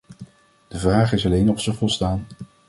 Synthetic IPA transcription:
d̥əvraːχɪsɑlejnɔfsəvɔlˠstaːn

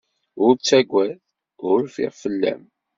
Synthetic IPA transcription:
ʊɾt͡sːæɡʷæθ | ʊɾfḭʁfəlːæ̰m

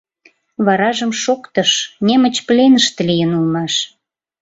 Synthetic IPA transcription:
βɑɾɑʒəmʃokt̪əʃnemə̆t͡ɕplenəʃt̪lijənulmɑʃ

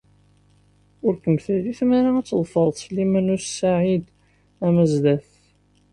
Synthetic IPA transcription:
ʊɾkəmθəliθmaɾaæt͡sːðˤfəɾˤt̪ˤsəlːimænʊssaʕid̪ | æməzlæθ

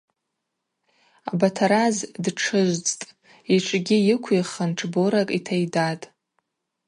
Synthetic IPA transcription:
a̰batʰaɾazdʈ͡ʂʰɨʒʷd͡zʼtʼ | iʈ͡ʂʷʼɡʲijɪkʷʰiχanʈ͡ʂʰboɾakʼitʰajdatʼ

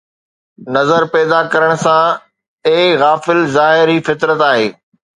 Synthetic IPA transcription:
nɐzəɾpɛːd̪akɐɾəɽ̃sã | eɣaːfɪlzaːɦɪɾɦifɪt̪ɾət̪aːɦeː

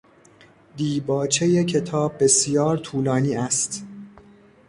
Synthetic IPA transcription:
d̪iːbɒːt͡ʃʰejecʰe̞t̪ʰɒːbːe̞sjɒːɾt̪ʰuːlɒːniːæst̪

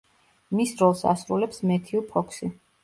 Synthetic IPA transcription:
misɾɔlˠsa̰sɾulɛpsmɛt̪ʰiupʰɔkʰsi

